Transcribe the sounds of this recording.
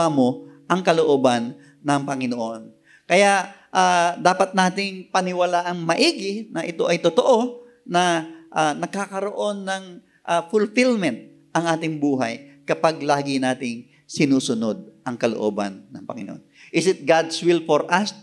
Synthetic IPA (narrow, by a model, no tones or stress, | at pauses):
amoʔɐŋkɐloʔoːbɐnː | ɐŋpɐŋɪnoʔo̞n | kɐjaʔʔad̪aːpɐt̪̚naːt̪ɪŋpɐnɪwɐlaːʔɐŋmɐʔiːɡɪnɐʔɪt̪o̞̰ʔɐjt̪ot̪oʔo̞ | nɐʔanɐɡ̚kaːkɐɾo̞ʔo̞nːɐŋ | ʔafʊlfɪlmɛnt̪̚ | ʔɐŋʔaːt̪ɪŋbuːɦɐjkɐpaɡlaːɡɪnaːt̪ɪŋ | sɪnuːsʊno̞d̪̚ʔɐŋkɐloʔo̰ːbɐ̰nːɐŋpɐŋɪno̰ʔo̰nʔɪsɪt̪̚ɡad̪swɪlfoɹʔɐs